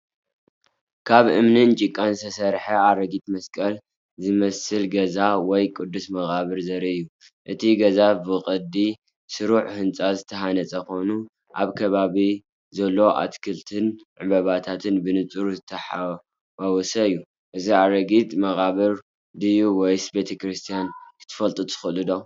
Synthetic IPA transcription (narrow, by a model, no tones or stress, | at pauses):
kʰaβɨ̰mnɨnt͡ʃʼikʼːansʰɐsɐɾħɐaɾɐɡit̪̚mɐskʼɐl | zɨmɐsɨlɡɐzawɔjkʼɨd̪ːusmɐɣaβɨɾzɐɾɐɨjːu | ʔɨt̪ʰiɡɐzabɨkʼɨd̪i | sɨɾuħhɨnt͡sʼazɨt̪ʰɐɦanɐt͡sʼɐko̞nu | ʔaβkʰɐβaβi | zɐlːo̞ʔa̰t̪kʰɨlt̪ʰɨnʕɨβɐβat̪ʰat̪ʰɨnbɨnɨt͡sʼuɾuzɨt̪ʰːɐħa | wawɔsɐɨjːu | ʔɨziaɾɐɡit̪ʼmɐɣaβɨɾ | d̪ɨjuwɔjsbe̞t̪ʰɐkɾɨst̪ʰijankʰɨ̥t̪ʰɨ̥fɐlt̪ʼɨt̪ʰɨ̥xɨlɨd̪o